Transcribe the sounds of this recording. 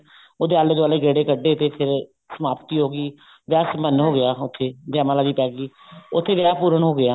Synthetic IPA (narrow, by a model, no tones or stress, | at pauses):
oːd̪eːaːled̪ʊaːleːɡeːɽeːkəɖːeːt̪eːpʰɪɾ | səmaːpt̪iːɦoːɡiː | ʋjaːsmənɦoːɡɪjaːʊt̪ʰːeːd͡ʒaːmãːləɡiːpɛːɡiː | ʊt̪ʰːeːʋjaːpuːɾəɳɦoːɡɪaː